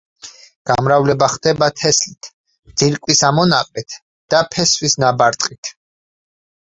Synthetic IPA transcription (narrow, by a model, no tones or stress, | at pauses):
ɡ̥amɾavlɛbaχd̪ɛbat̪ʰɛslit̪ʰ | d̪z̥iɾkʼwisamɔnaqʼɛt̪ʰ | d̪̥apʰɛsvisnabaɾt̪ʼqʼit̪ʰ